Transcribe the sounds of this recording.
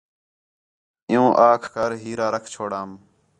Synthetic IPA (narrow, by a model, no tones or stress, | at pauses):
ɪjũːʔaːkʰkəɾɦiːɾaːɾəkʰt͡ʃʰoːɽaːm